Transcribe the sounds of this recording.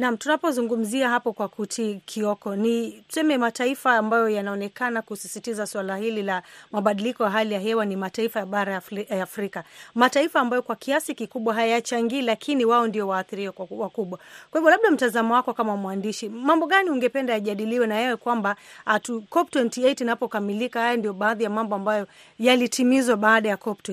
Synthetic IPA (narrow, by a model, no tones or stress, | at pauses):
nam̩tunapɔzuŋɡum̩ziaɦapɔkwakutʰikʰiɔkɔnitu̥sɛmɛmataifaːmbajɔjanaɔnɛkanakusisitizaswalahililamaɓaɗilikɔjaɦalijaɦɛwanimataifajaɓaɾajajaːfɾikamataifaːmbajɔkwakʰiasikikuɓwaɦajat͡ʃaŋɡiːlakʰiniwaɔndijɔwaːθiɾiwɛwakuɓwakwahivɔlaɓ̚ɗam̩tazamɔwakɔkamamwandiʃimambɔɠaniuŋɡɛpɛndajaʄaɗiliwɛnajɛwɛkwambatukɔptɔntiɛjtunapɔkamilikahajandijɔɓaːðijamambɔambajɔ | jalitʰimizwaɓaaɗajakɔp̚tɔ